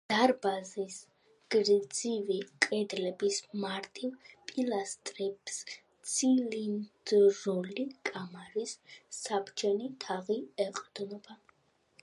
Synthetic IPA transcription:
d̪̥aɾbazis | ɡ̥ɾd̪zivikʼɛd̪lɛbismaɾt̪ʼilpʼilast̪ʼɾipʼs | t̪sʰilind̪ɾɔlikʼamaɾisːapʰt͡ʃʰɛnit̪ʰaʁiɛqʼd̪nɔba

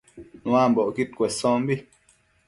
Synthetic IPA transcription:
nũambɔʔkit̚kwɛsɔ̃m̩bi

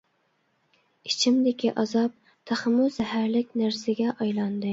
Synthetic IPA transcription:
it͡ʃʰimd̪ɪkʲʰiʔɑzɑp̚ | t̪ʰæχmʊzɦæɾlɪkʲnæɾsɪɡʲɛʔɑjlˠɑnd̪ɨ

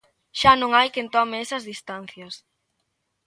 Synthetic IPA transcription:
ʃanõŋajkent̪ɔmeesɐzðist̪an̟θjɐs

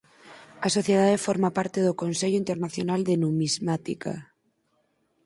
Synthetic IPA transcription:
asoθjeð̞aðefoɾmapaɾt̪eðokonseʎoint̪eɾnaθjonald̪enumizmat̪ika̰

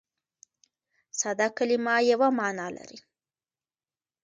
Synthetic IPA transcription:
sad̪ɑkalimɑjawamɑnɑla̰ɾi

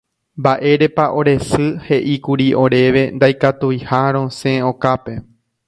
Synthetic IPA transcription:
mbaʔe̞ɾe̞paʔo̞ɾe̞sɨhe̞ʔikuɾiʔo̞ɾe̞ʋe̞nd̪ajkat̪ujhaɾ̃õ̞sẽõkape̞

